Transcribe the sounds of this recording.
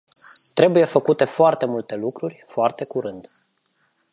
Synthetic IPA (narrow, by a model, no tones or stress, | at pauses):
t̪ɾe̞buje̞fəkut̪e̞foart̪e̞mult̪e̞lukɾurʲfoart̪e̞kuɾɨnd̪